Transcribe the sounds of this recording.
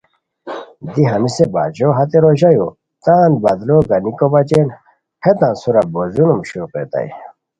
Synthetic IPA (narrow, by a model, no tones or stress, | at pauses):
d̪iɦɐnisebaːd͡ʑoɦɐt̪eɾoʑɐjo | t̪ãːnbɐd̪loːɡɐnikobat͡ɕen | het̪ãːnsuɾɐbozunumɕuːqḛt̪a̰i